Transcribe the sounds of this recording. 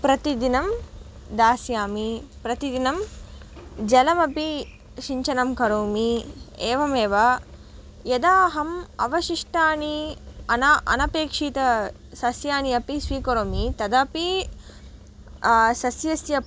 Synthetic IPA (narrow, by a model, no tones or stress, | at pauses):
pɾɐt̪id̪inɐm | d̪aːsjaːmipɾɐt̪id̪inɐm | d͡ʒɐlɐmɐpi | ʃiɲt͡ʃɐnɐmkɐɾoːmieːʋɐmeːʋɐ | jɐd̪aːɦɐmɐʋɐʃiʂʈaːniɐnɐʔɐ̰nɐpeːkʂiːt̪ɐ | sɐsjaːniɐpisʋiːkɐɾoːmit̪ɐd̪ɐpi | sɐsjɐsjɐ